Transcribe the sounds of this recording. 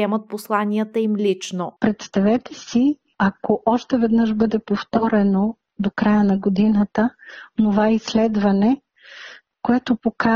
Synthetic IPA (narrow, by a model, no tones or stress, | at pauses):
ɛmət̪̚poslˠanʲiət̪əimlʲit͡ʃnopɾɛt̪st̪ɐvɛt̪ɛsi | ɐkoʔɔʃt̪ɛvɛd̪nɤʃbɤd̪ɛpoft̪ɔɾɛno | d̪okɾajənɐɡod̪inət̪ənovaɛislɛd̪vɐnɛ | koɛt̪opoka